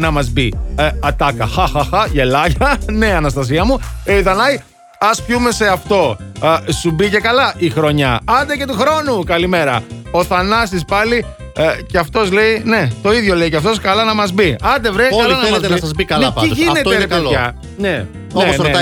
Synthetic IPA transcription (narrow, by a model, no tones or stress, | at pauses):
nɐmɐzbiɐt̪ɐkɐxɐxɐxɐʝe̞lɐʝɐneɐnɐs̬t̪ɐs̬iɐmueiðɐnɐj | ɐspçume̞se̞ɐft̪o̞subice̞kɐlɐʔixɾo̞ɲɐɐnd̪ece̞t̪uxɾo̞nukɐlime̞ɾɐ̰o̞θɐnɐsispɐli | ceɐft̪o̞zle̞ine̞t̪o̞iðʝo̞leiceɐft̪o̞skɐlɐnɐmɐzbiɐnd̪evɾeɐɐlɐnɐemezt̪nɐsɐzbikɐlnepɐiʝinet̪eɾeɐ | ne | noene